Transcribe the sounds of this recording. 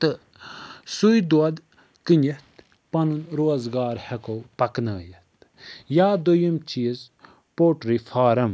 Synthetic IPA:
t̪ɨ | sujd̪uɐd̪ | kinit̪ | pɐnunɾoːzɡaːɾhekowpɐknɐːjɐt̪ | jaːd̪ojɐmt͡ʃiz | poːʈɾifʰaːɾɐm

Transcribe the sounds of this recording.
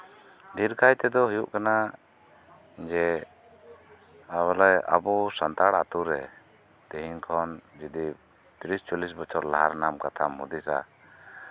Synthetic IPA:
d̪iɾkajt̪ɛd̪ɔɦujuʔkana | d͡ʒɛ | abɔlɔja̰bɔsant̪aɽat̪uɾɛ | d̪̥ɛɦinkʰɔnd͡ʒid̪i | t̪iɾist͡ʃɔlis̬bɔt͡ʃʰɔɾla̰ɦa̰ɾnamkat̪ʰamɦṵd̪isa̰

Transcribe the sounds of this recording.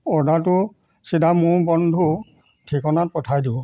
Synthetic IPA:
ɔdat̬ʊ | sidamʊɹbɔndʱu | tʰikɔnat̚pɔtʰajdibɔ

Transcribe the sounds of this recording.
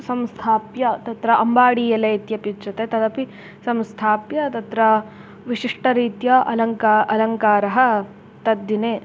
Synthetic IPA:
sɐmst̪ʰaːpjɐt̪ɐt̪ɾɐʔɐmbaːɽiːjɐlɐjt̪jɐpjut͡ʃɐt̪et̪ɐd̪ɐpi | sɐmst̪ʰaːpjɐt̪ɐt̪ɾɐ | ʋiʂiʂʈɐɾiːt̪jɐʔɐlɐŋkaːʔɐlɐŋkaːɾɐɦɐ̆ | t̪ɐd̪ːineː

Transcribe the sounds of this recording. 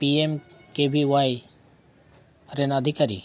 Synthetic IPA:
piemkebʱiwaj | ɾenəd̪ʱikaɾḭ

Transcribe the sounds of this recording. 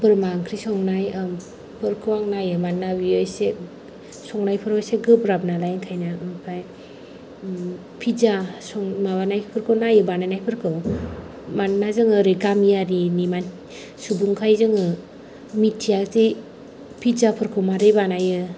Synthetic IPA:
bɯɾmaŋkʰɾisɔŋnaj | pʰɯɾkʰɯwaŋnajɯmanːabiɔjse | sɔŋnajpʰɯɾɔjseɡɯbɾabnalajŋkʰajnapʰaj | pʰizasɔŋmabanajʰpʰɯɾkʰɯwnajɯbanajnajpʰɯɾkʰɯw | manːazɯŋɯɾeɡamijaɾiniman | subuŋkʰajzɯŋɯ | mitʰijaze | pʰizapʰɯɾkʰɯwmaɾɯjbanajɯ

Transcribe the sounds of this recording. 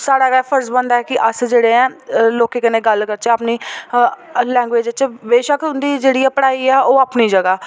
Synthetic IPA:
saːɽaːʋɛːpʰəɾsbənd̪aɛːkɪʔəsd͡ʒeːɽẽːɛ̃ːloːkeːkɪnẽːɡəlkəɾt͡ʃeːapniː | lɛ̃ːŋɡʋeːd͡ʒt͡ʃʋeːʃəkʊ̃nd̪iːd͡ʒeːɽiːɛːpəɽaːiːɛːoːapniːd͡ʒəɡaː

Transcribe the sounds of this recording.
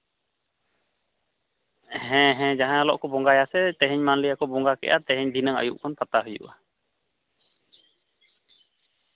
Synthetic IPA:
ɦɛ̃ɦɛ̃d͡ʒaɦãalɔ̰ʔkɔbɔŋɡajasɛt̪ɛɦɛɲmanlijakɔbɔŋɡakɛ̰ʔa̰t̪ɛɦɛɲd̪ʱinəŋə̰juʔkɔnpat̪aɦujṵʔa

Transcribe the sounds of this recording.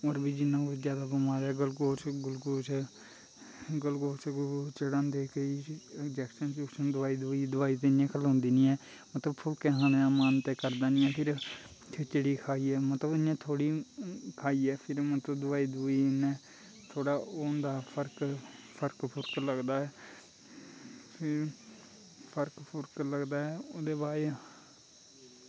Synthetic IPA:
oːɾbiːd͡ʒɪnːãːʊsd͡ʒjaːd̪aːbɪmaːɾɛːɡəlɡoːt͡ʃɡʊlɡoːt͡ʃː | ɡəlɡoːt͡ʃɡt͡ʃəɽãːnd̪eːkəiːɪkd͡ʒɛːkʃənt͡ʃʊsənd̪ʊʋaːiːd̪ʊiːd̪ʊʋaːiːt̪eɪjãːkʰəlõːnd̪iːnĩːɛː | mət̪ləbpʰʊlkɛ̃ːɦãːnːaːmaːnt̪eːkəɾd̪aːnĩːɛːpʰɪɾ | t̪ʰet͡ʃəɽiːkʰaːiːɛːmət̪ləbɪjãːt̪ʰoːɽiːkʰaːiːɛːpʰɪɾmət̪ləbd̪ʊʋaːiːd̪iːnɛ̃ː | t̪ʰoːɽaːoːnd̪aːpʰəɾkpʰəɾkpʰʊɾkləɡd̪aːɛː | pʰɪɾ | pʰəɾkpʰʊɾkləɡd̪aːɛːod̪eːbaːɾe

